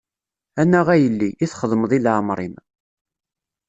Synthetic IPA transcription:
ænːæʁæjəlːiʔːθχəðˤmðˤilʕmɾˤim

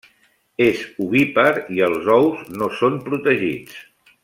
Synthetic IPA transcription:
ezuβipəɾiəlˠzɔwznosompɾut̪əʒḭt͡s

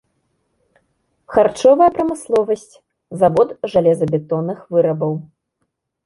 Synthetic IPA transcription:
xart͡ʂɔvɐjɐpɾɐmɨslˠɔvɐsʲt͡sʲ | zavɔt̪ʐalʲɛzɐbʲɛt̪ɔnːɨxvɨɾɐbɐw

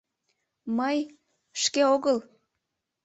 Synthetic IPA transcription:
məj | ʃkeoɣəl

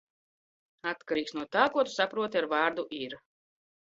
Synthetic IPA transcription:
at̪kaɾiːksnuɔt̪aːkuɔt̪u̥sapɾuɔt̪iaɾvɑːɾd̪uʔiɾ

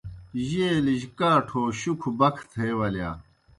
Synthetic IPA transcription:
ʑeːliʑkaːʈʰoːɕukʰubɐkʰt̪ʰeːwɐljaː

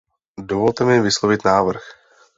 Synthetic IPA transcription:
dovolt̪ɛmɪvɪslovɪt̪naːvr̩x

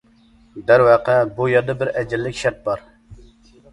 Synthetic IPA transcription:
d̪æɾwɑːqɛbujɑd̪əbɪɾʔɛd͡ʒɪlːɪkʲʃɛɾt̪̚bɑɾ

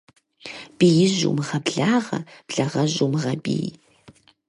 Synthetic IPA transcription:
b̥iːjɪʑṵmʁɐbɮaːʁɐ̰b̥ɮɐʁɐʑumʁɐbḭːj

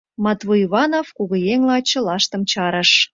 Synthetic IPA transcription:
mɑt̪βuiβɑnovkuɣŏjeŋlɑt͡ɕə̆lɑʃt̪ə̆mt͡ɕɑɾə̆ʃ

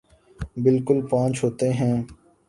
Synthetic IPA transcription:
bɪlkʊlpãːt͡ʃɦoːt̪eɦɛ̃ː

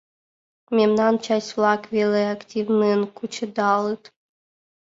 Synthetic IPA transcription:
mʲemnɑnt͡ɕasʲflˠɑkvʲelʲeaktʲivnɨnkut͡ɕə̆d̪ɑlˠɨt̪

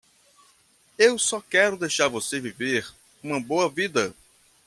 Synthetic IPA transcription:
ewsɔkɛɾʊd̪ejʃaɾvoseviveɾ | ũmɐboɐvid̪ɐ

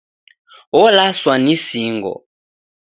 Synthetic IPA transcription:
wɔlaswanisiːŋɡɔ̰

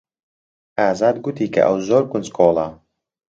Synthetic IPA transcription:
aːzaːd̪̚ɡut̪iːka̰ʔa̰wzoɾkunskʰoːlˠa

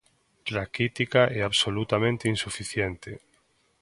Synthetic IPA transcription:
lakit̪ikaʔɛaβsolut̪amẽnt̪einsufiθjɛnt̪ɪ

